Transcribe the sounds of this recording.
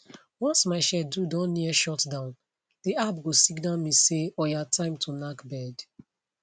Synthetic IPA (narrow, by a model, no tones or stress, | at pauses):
wɔtsmaɪʃɛdudɔ̃nːiəʃɔtdãʊ̃n | ðiabɡosikdãnmiseɔjatʰãɪ̃mtʰunakbɛd̥